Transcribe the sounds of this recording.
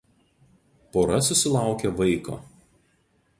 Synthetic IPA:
poːɾɐsʊsʲɪlˠɑˑʊkʲeʋɐɪko̰ː

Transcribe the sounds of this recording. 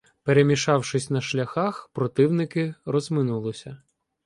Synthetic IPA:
peɾemʲiʃɑwʃɪsʲnɐʃlʲɐxɑxpɾɔt̪ɪwnɪkɪɾɔzmɪnulˠɪsʲɐ

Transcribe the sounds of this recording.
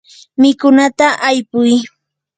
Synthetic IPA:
mɪkʊnat̪aʔajpʊj

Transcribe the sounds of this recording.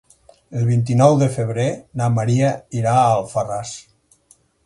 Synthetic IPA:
əlˠβint̪̬inɔwðəfəβ̞ɾenamaɾiaiɾaːlˠfaras

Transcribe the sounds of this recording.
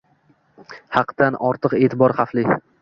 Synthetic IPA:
hɑqd̪anʔɒɾt̪ʰɨqe̞ːt̪ʰɪbɒɾχɑflɪ

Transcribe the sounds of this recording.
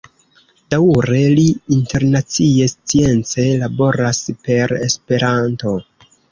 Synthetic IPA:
d̥auɾe̞liinte̞ɾnat͡sie̞st͡sie̞nt͡se̞labo̞ɾaspe̞ɾe̞spe̞ɾanto̞

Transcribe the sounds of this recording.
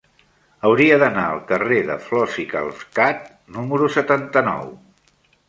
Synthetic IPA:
əwɾiəðənaəlˠkəreðə̰flɔsikə̰lˠfkat̪ | numəɾusət̪ant̪ənɔ̰w

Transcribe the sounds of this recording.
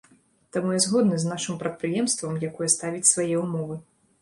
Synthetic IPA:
t̪amujɛzɣɔd̪nɨznaʂɨmpɾɐt̪̚pɾɨjɛmst̪vɐmjakɔjɛst̪avʲit͡sʲsvajɛumɔvɨ

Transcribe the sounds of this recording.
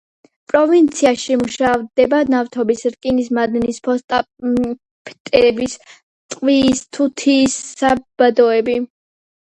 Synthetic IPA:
pʼɾɔvint̪sʰiaʃimuʃavd̪ɛbanavt̪ʰɔbisɾkʼinismad̪nispʰɔst̪ʼa | pʰt̪ʼɛbis | t̪ʼqʼwist̪ʰut̪ʰiːsːab̥ad̪ɔɛbi

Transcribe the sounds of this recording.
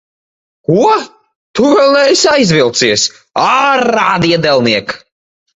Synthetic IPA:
kuɔ | t̪uvɛlˠɛjsajzvilˠt̪siɛs | aɾaːd̪iɛd̪ɛlˠniɛk

